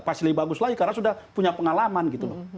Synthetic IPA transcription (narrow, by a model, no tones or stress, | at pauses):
fasilibaɡʊslaikaɾasudahpuɲapəŋalamanɡit̪ulɔh